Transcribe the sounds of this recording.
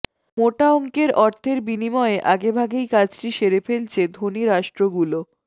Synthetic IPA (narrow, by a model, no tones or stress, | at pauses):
moʈaoŋkeɾɔɾt̪ʰeɾbinimɔeʔaɡebʱaɡejkat͡ɕʈiʃeɾefelt͡ɕʰed̪ʱoniɾaʃʈɾoɡulo